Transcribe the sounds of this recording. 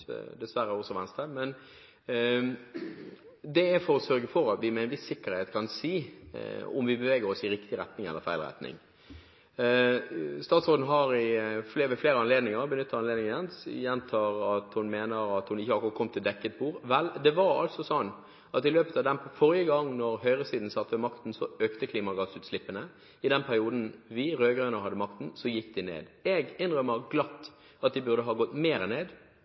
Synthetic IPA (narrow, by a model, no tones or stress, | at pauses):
d̪ɛsʋæɾːəɔsɔʋɛnst̪əmɛn | d̪ɛæfɔɾɔsœɾɡəfɔɾɑt̪ʋɪmɛːɪnʋɪsːɪkːəɾheːt̪kʰɑnsiː | ɔ̰mʋɪbəʋeːɡəɾɔsɪɾɪkt̪ɪɾɛt̪nɪŋɛ̰lːəɾfæɪlʁɛ̰t̪nɪ̰ŋ | st̪ɑːt̪sʁoːn̩ɦɑɾɪflːʋɪfleːɾəɑnleːd̪nɪŋəɾbənʏt̪ːəɾɑnleːd̪nɪŋənsjɛnːt̪ʰɑːɾɑt̪hʊnmeːnəɾɑt̪hʊnɪçːəhɑkʊʁɑt̪kʰɔmt̪ʰɪld̪ɛkːət̪̚buːɾʋɛld̪ɛʋɑɾɑ̰lt̪sɔsɔnː | ɑt̪ɪløːpət̪ɑd̪ɛnfɔɾɪəɡɑŋːnɔɾɦœʏʁəsiːd̪n̩sɑt̪ːʋɛmɑkt̪n̩sɔøːkt̪əkʰliːmɑɡɑːsʉːt̪slɪpːənə | ɪd̪ɛnpʰæɾɪuːd̪n̩ʋɪɾøːɡʁœʏnəɾɦɑd̪əmɑk̚t̪n̩sɔjɪkːd̪ɪnḛːd̪ɛɡɪnʁœməʁɡlɑt̪ː | ɑt̪̚d̪ɪbʉʁd̪əɦɑːɡɔt̪ːmeːɾəneːd̪